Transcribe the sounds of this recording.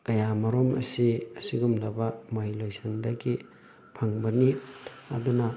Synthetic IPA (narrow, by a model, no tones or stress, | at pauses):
kɐjamɐɾomɐ̰siɐsiɡumlɐbɐmoilojsɐndɐɡi | pʰɐŋbɐniɐ̰dunɐ